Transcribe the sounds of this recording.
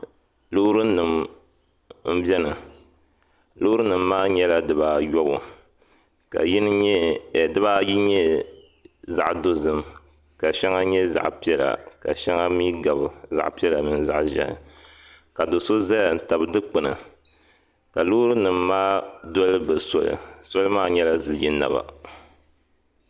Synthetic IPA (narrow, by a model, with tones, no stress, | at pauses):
lo˦ɾɨ˦nɨ˨m | m̩˦bʲɛ˦nɨ˨ | lo˦ɾɨ˦nɨ˨m̩ː˦aː˦ɲɛ˦la˦dɨ˨baː˦jɔ˦bʊ̰˨ | ka̰˨ji˦nɨ˦ɲɛ˦˨dɨ˦ba˦ji˦ɲɛ˦ | za˦˨ʔdo˦zɨ˨m | ka˨ʃɛ˦ŋa˦ɲɛ˦za̰˨ʔpi˦ɛ˦la̰˨ka̰˨ʃɛ˦ŋa˦mi˦ɡa˨bɨ˨za̰˨ʔpi˦ɛ˦la˨mɨ˨nza̰˦ʔʒɛ̰˨nɨ̰˨ | ka˨do˨so˦za˦a˨n̩˨ta˨bɨ˨dɨ˦k͡pɨ˨nɨ̰˨ | ka˨lo˦ɾɨ˦nɨ˨mː˦aː˦dɔ˦lɨ˦bɨ˨sɔ˦lɨ̰˨so˦lɨ˦maː˦ɲɛ˦la˦zɨ˨lɨ˨ji˦na̰˨ba̰˨